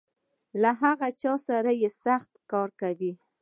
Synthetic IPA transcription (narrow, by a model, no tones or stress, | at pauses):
laɦaɣat͡ʃɑsaɾajesaxt̪kɑɾkawi